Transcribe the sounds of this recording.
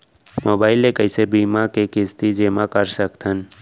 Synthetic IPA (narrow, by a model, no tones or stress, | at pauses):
moːbaːɪlekəɪsebiːmakekɪst̪id͡ʒemakəɾsəkt̪ʰən